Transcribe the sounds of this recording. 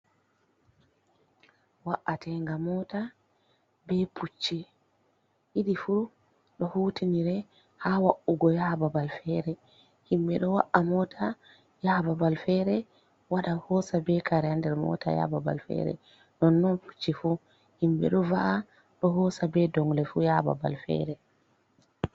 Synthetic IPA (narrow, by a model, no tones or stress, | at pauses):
waʔːatʰɛŋɡamɔta | bɛpʰut͡ʃːi | hiɗifu | ɗɔhuːtiniɾɛ | hawaʔuɡɔjababalfɛɾɛ | himbɛɗɔwa̰ʔːamɔtʰa | jaːbabalfɛɾɛ | waɗahɔsabɛkaɾɛandɛɾmɔ̰tʰa̰ja̰baba̰lfɛ̰ɾɛ̰ | nɔnːɔnpʰu̥t͡ʃːifu | himbɛ̰ɗɔvaʔa | ɗɔɦɔsabɛdɔŋlɛfujaba̰ba̰lfɛ̰ɾɛ